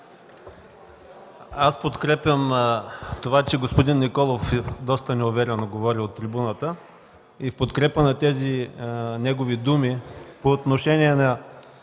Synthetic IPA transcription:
aspot̪kɾɛpʲjəm | t̪ovat͡ʃɛɡospod̪inːikɔlˠofɛd̪ɔst̪ənɛʊvɛɾɛnoɡovɔɾiot̪ːɾibunət̪ə | ifpot̪kɾɛpənɐt̪ɛzinɛɡovid̪umipoːt̪noʃɛniɛnɐ

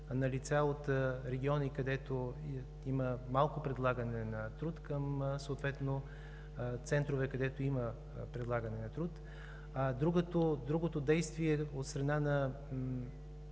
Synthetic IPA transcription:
nɐlit̪saot̪ɾɛɡʲiɔnikɐd̪ɛt̪o | iməmalˠkopɾɛd̪lˠaɡɐnɛnɐt̪ɾut̪kəmsoːt̪vɛt̪no | t̪sɛnt̪ɾovɛkɐd̪ɛt̪oimə | pɾɛd̪lˠaɡənɛnɐt̪ɾut̪ | ad̪ɾuɡət̪od̪ɾuɡot̪od̪ɛjst̪viɛot̪st̪ɾɐnanɐ

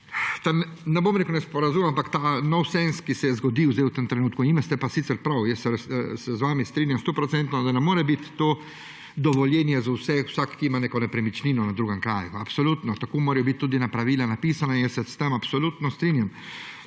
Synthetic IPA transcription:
t̪annɛbomnikonɛspɔɾazumampakt̪aːnɔwsɛnskisɛjɛzɡɔd̪iwzd̪eɛɪwt̪əmt̪ɾɛnuːt̪̚kunimɛst̪ɛpasit̪sɛɾpɾawjɛsːɛsɛzʋaːmist̪ɾiːnjamst̪oːpɾɔt̪sɛnt̪nɔd̪anɛmoːɾɛbit̪ːoː | d̪ɔʋɔljɛːnjɛzawsɛwsakːiimanekɔnɛpɾɛmit͡ʃniːnɔnad̪ɾuːɡəmkɾaːjuapsoluːt̪nɔt̪akoːmoːɾɛjbit̪̚ːuːd̪inapɾaʋiːlanapiːsanainjɛsːɛst̪emapsɔlut̪nɔst̪ɾiːnjam

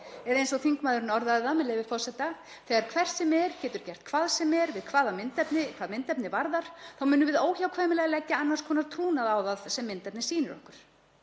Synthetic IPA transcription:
ɛɾðejnsɔɣθiŋkmaːðʏɾɪnɔɾðaðɪðamɛðlɛjvɪfɔrsɛt̪a | θɛːɣaɾkʰvɛr̥t̪sɛmɛɾ̥cɛːt̪ʏɾ̥cɛr̥t̪̚kʰvaːðsɛmːɛɾvɪðkʰvaːðamɪnt̪ɛpnɪkʰvaːðmɪnt̪ɛpnɪvaɾðaɾ̥θawmʏːnʏvɪðoːwçawkʰvaːjmɪlɛɣalɛcːaanːanskʰɔːnaɾt̪ʰɾuːnaðawðaðsɛmːɪnt̪ɛpnɪsiːnʏɾɔ̰hkʏɾ̥

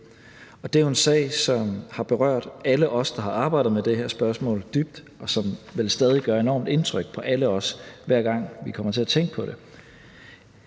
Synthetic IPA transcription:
ɒ̽d̥e̝æje̝nsɛ̰ːɪsɒ̽mhɑ̈b̥e̝ʁɶɐ̰d̥æləʔɒ̽sd̥ɑ̈ɦɑ̈ɑ̈ːb̥ɑ̈ɪdð̩ˠmed̥e̝hæɐsb̥ɶɐsmɔ̰̽ːld̥yb̥̚d̥ | ɒ̽sɒ̽mʋelsd̥ɛːð̞ˠiɡ̥ɶːɐe̝nɒ̰ːmd̥e̝nt͡sʰʁœɡ̥̚pʰɒ̽ʔæləɒ̽sʋæɐ̰ɡ̥ɑ̈ŋ̰ʋikʰɒ̽m̰ɐt͡sʰe̝æt͡sʰeŋɡ̥̚pʰɒ̽ɾe̝

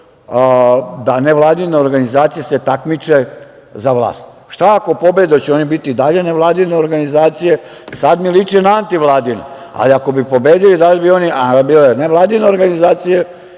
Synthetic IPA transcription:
d̪aneʋlˠaːd̪ineo̞ɾɡanizaːt̪sijese̞t̪akmit͡ʃe̞ | zaʋlˠa̰ːst̪ | ʃt̪aako̞po̞bed̪ot͡ɕeo̞nibit̪id̪aʎe̞ne̞ʋlˠaːd̪ineoɾɡanizaːt̪sije | sad̪milit͡ʃinaant̪iʋlˠaːd̪ino̰ | a̰liako̞bipo̞beːd̪ilid̪alibio̞niabileneʋlˠaːd̪ineo̞ɾɡanizaːt̪sije

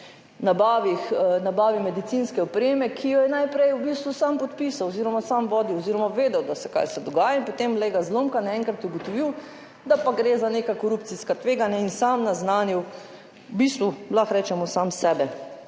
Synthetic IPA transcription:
nabaːʋixnabaːʋimɛd̪it̪sinskɛɔpɾeːmɛkʰijɔjɛnajpɾɛjubist̪ʋusampɔt̪pisawoziɾɔmasamʋɔːd̪iɔziːɾɔmaʋeːd̪ɛwd̪asɛka̰jsɛd̪ɔɡaːjainpot̪emlɛɡazlomkanaɛ̃ŋkɾat̪uɡɔt̪ɔʋiw | d̪apaɡɾeːzaneːkakɔɾupt̪siskat̪ʋeːɡanjainsamnaznaːnjuw | bist̪ʋulaxɾɛːt͡ʃɛmɔsamsɛːbɛ

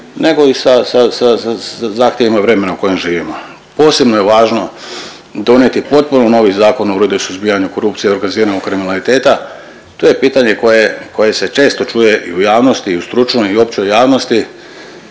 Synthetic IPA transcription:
ne̞ɡo̞isasasaazaːxt̪je̞ʋimaʋɾe̞me̞nauko̞jemʒiːʋimo̞ | po̞ːse̞bnoje̞ʋaːʒno̞ | d̪o̞nje̞t̪ipo̞t̪̚punono̞ʋizaːko̞nouɾed̪ɛisuzbijaɲuko̞ɾupt̪sijeo̞ɾɡaniziːɾanokɾiminalit̪e̞ːt̪a | t̪oje̞piːt̪aɲe̞ko̞je̞ko̞je̞se̞t͡ʃe̞ːst̪o̞t͡ʃuje̞ʔḭujaːʋno̞st̪iust̪ɾut͡ʃnoio̞pt͡ɕojaːʋno̞st̪i

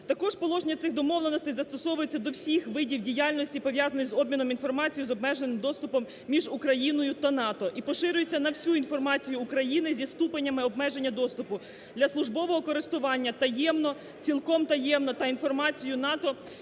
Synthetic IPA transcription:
t̪ɐkɔʒpɔlˠɔʒenʲɐt̪sɪxd̪ɔmɔwlˠenɔst̪ɪjzɐst̪ɔsɔʋʊjet͡sʲːɐd̪ɔwsʲixʋɪdʲiwdʲijɑlʲnɔsʲtʲipɔʋʲjɑzɐnɔsʲzɔbʲmʲinɔminfɔrmɑt͡sʲijʊzɔbmɛʒe̞nɪmd̪ɔst̪ʊpɔmːʲiʒukɾɐjinɔjʊt̪ɐnɑt̪ɔʔipɔʃɪɾʲʊjet͡sʲːɐnɐwsʲuinfɔrmɑt͡sʲijʊːkɾɐjinɪzʲist̪upenʲːɐmɪɔb̚mɛʒe̞nʲːɐd̪ɔst̪ʊpʊ | d̪lʲɐslˠʊʒbɔʋɔɦɔkɔɾɪst̪ʊʋɑnʲːɐt̪ɐjɛmnɔ | t͡sʲilˠkɔmt̪ɐjɛmnɔt̪ɐinfɔrmɑt͡sʲijʊnɑt̪ɔ

